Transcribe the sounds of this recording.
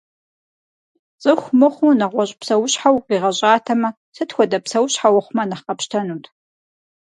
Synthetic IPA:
t͡sʼɨxʷmɨχʷʊnɐʁʷɔɕʼpsɐwʊɕħawqiːʁɐɕʼaːtʰɐmɐ | sɨtxʷɔdɐpsɐwɕħawɔχʷʊmɐnɐχqɐpʃtʰɐnuːtʰ

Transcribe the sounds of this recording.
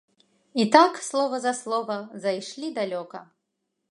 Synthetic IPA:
it̪akslˠɔvɐzɐslˠɔvɐzajʂlʲid̪alʲɔkɐ

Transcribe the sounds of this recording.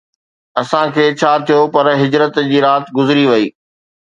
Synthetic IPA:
ɐsãkʰeːt͡ɕʰaːt̪ʰijopɐɾɦɪd͡ʑɾət̪d͡ʑiːɾaːt̪ɡʊzɾiʋɐiː

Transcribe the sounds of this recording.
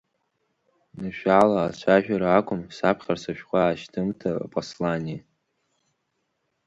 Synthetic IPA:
nɨʃᶣalaːt͡ʃʷʰaʒᶣaɾaːkʷʼʊmsapʰχʲarsaʃᶣqʷaːʃtʰɨmtʰa̰pʼoslania

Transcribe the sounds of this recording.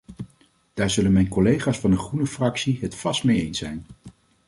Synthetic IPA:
d̥aːɹzɵlənmɛjnkɔlejχaːsfɑndəχrunəfrɑksiɦətfɑstmejejnsɛjn

